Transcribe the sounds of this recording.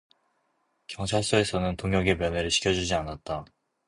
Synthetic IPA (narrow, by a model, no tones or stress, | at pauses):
kjʌŋt͡ɕʰaɭs͈oe̞sʰʌnɯntoŋjʌɡe̞mjʌne̞ɾɯɭɕʰi̥kʰjʌd͡ʑud͡ʑianat̚t͈a